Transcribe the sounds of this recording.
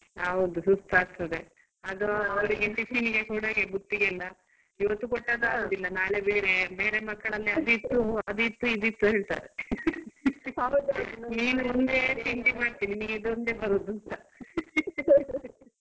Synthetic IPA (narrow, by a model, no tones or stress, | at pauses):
ɦɐwd̪usust̪ʰaːɡ̚t̪ɐd̪e | ɐd̪oɐʋɐɾiɡeʈiʃiːniɡekuːɽɐɡebut̪ːiɡɛlːɐ | iʋɐt̪ːukoʈːad̪aːɡod̪ilːɐnaːlebeːɾe̞beːɾe̞mɐkːɐɭɐlːiɐd̪it̪ːuɐd̪it̪ːuid̪it̪ːuɦeːɭt̪a̰ːd̪e | niːnumund̪e̞siɳʈimaːɽt̪iːniniɡid̪ond̪ebɐɾud̪ut̪ɐ